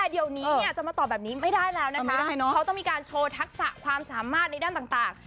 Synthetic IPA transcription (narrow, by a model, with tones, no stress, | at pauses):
ɛː˨˩di˧əwni˦ni˧˩ɐ˨˩t͡ɕa˨˩maː˧t̪ɔː˨˩bɛː˨˩p̚niː˦˥ma˥˩jdaː˥˩jlɛː˦˥wna˦˧kma˦˥˩daː˥˩jnɔ˦˥a˦wt̪ɔ˥˩ŋmiː˧kaː˧nt͡ɕʰoː˧t̪ʰa˦˥k̚sa˨˩kʰwaː˧msaː˩˦maː˥˩t̪̚n˧jdaː˥˩nt̪aː˨˩ŋt̪aː˨˩ŋ